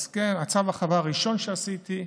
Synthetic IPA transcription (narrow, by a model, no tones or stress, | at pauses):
skemat͡savaχavaʁiʃo̞nʃeasit̪i